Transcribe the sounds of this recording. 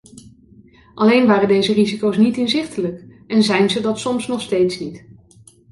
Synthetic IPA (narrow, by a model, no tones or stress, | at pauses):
ʔɑlejnʋaːrəndejzərizikowsnitɪnzɪχtələk | ɛnzɛjnzədɑtsɔmsnɔχstejtsnit